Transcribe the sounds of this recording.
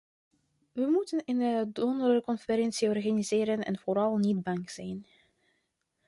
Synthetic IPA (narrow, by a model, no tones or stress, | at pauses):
ʋəmutənɪnədɔndərəkɔnfəɾɛnsiɔrχanizɪːɾənɛ̰nv̥oːɾɑlˠnitbɑŋz̥ɛjn